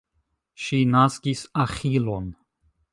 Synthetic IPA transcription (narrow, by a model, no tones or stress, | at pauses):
ʃinaskisaχilon